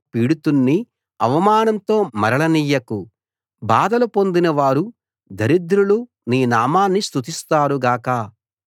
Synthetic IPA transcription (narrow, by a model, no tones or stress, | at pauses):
piːɽut̪unːi | ɐʋɐmaːnɐnt̪o̞ːmɐɾɐɭɐniːjɐku | baːd̪ɐlupo̞nd̪inɐʋaːɾu | d̪ʱɐɾid̪ɾulu | niːnaːmaːnːist̪ut̪ist̪aːɾuɡaːkɐ